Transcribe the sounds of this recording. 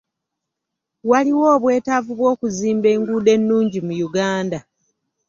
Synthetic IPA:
waliwo̞ːβwe̞ːtavuβwo̞ːkuziːmbe̞ːŋɡuːde̞nːuːɲɟimujuɡaːnda

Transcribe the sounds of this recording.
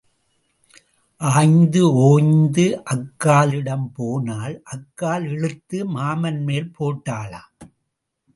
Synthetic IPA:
ʔaːjnd̪ɯoːjnd̪ɯʔɐkːaːlɪɽɐmpoːnaːlʔɐkːaːlɛɻɯt̪ːɯmaːmɐnmeːlpʰoːʈːaːla̰ː

